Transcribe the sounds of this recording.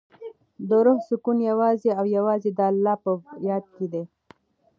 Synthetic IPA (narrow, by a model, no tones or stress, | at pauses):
d̪əɾʊhsʊkunjawɑzeawjawɑzed̪ɑlːɑpəjɑd̪̚ked̪e